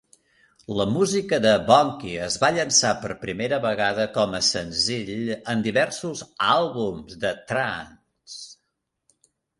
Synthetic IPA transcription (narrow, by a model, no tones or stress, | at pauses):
ləmuzikəðəβɔŋkiəzβaʎənsapəɾpɾimeɾəβəɣaðəkɔməsənziʎənd̪iβɛɾsuzalˠβumzðət̪ɾan | s